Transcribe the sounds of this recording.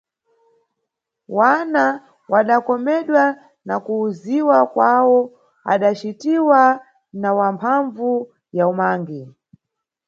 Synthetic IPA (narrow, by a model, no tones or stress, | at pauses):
wana | waɗakɔmɛɗwa | nakuːziwakwawɔ | a̰ɗat͡ʃitiwa | nawampʰaɱvu | jaumaːŋɡi